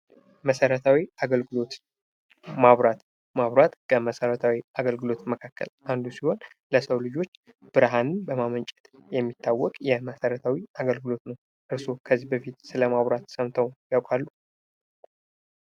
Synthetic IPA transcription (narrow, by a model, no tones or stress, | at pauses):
məsəɾət̪ʰawiaɡəlɡɨlo̞t̪ | maβɾat̪ | maβɾat̪kʰəməsəɾət̪ʰawiʔaɡəlɡɨlo̞t̪məkʰakːə̰lʔand̪usiho̞n | ləsəwlɨd͡ʒo̞t͡ʃː | b̥ɨɾɦanɨnbəmamənt͡ʃʼɛt̪jɛmːit̪ʰːawːɔkʼjɛməsəɾət̪ʰawiaɡəlɡɨlo̞t̪nəw | ʔɨɾso̞kʰəzːibəfit̪sɨləmaβɾat̪səmt̪ʰəwjawkʼalːu